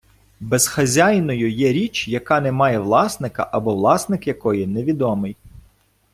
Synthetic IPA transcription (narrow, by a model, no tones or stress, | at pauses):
bɛzxɐzʲajnɔjʊjɛɾʲit͡ʃjɐkɑnɛmɑjɛʋlˠɑsnɪkɐ̰ʔɐbɔʋlˠɑsnɪkjɐkɔjineʋʲid̪ɔmɪj